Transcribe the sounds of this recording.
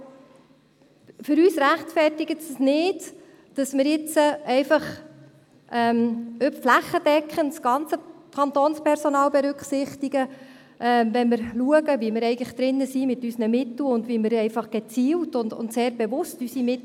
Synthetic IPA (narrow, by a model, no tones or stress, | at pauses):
fʏɾyːsɾæχtfɛrtɪɡətsəsnɪːd | d̥ɑsmɪɾɪt͡səɛɪfɑχ | ʔɛmøpflæχːəd̥ɛkχənsɡ̥ɑnt͡səkʰɑnt̪oːnspʰɛɾsɔnɑːlbɛɾʏkχsɪχtiɡə | ʔɛmvɛnmɪɾluəɡəvimɪɾɛɪɡənə̥χd̥ɾɪnːəsimɪtysnəmɪt̪l̩ʊndvimɪɾɛɪfɑχɡ̥ɛt͡siːltʊndʊ̰ntseːɾbɛvʊstysimɪt